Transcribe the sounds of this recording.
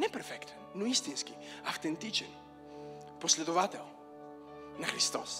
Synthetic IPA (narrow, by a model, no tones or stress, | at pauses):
nɛpɛɾfɛkt̪nnuist̪inski | aft̪ɛnt̪it͡ʃɛn | poslɛd̪ovat̪ɛlˠ | nɐxɾist̪ɔs